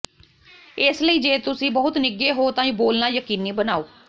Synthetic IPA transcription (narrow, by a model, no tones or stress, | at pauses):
ɪsləiːd͡ʒeːt̪ʊsĩːbəɦʊt̪nɪɡeːɦoːt̪ãːĩːboːlnaːjəkiːniːbənaːoː